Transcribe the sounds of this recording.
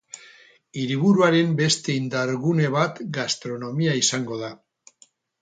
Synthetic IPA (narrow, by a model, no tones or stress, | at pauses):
iɾiβ̞uɾuaɾe̞mbe̞st̪e̞ind̪aɾɣune̞β̞at̪ɡast̪ɾo̞no̞miaisaŋɡo̞ða